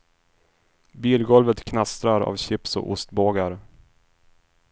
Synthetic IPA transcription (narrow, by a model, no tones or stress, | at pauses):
biːlɡɔlvət̪kʰnast̪ɾaɾa̰vɕɪpsɔ̰ʔʊst̪boːɡaɾ